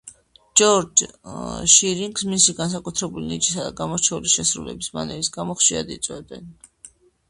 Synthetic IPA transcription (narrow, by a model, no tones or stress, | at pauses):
d͡ʒɔɾd͡ʒ | ʃiɾiŋɡsmisiɡans̬akʼut̪ʰɾɛbulinit͡ʃʰʼisad̪aɡamɔɾt͡ʃʰɛuliʃɛsɾṵlɛ̰bisma̰nɛɾisɡamɔχʃia̰d̪it̪sʼwɛd̪ɛ̰n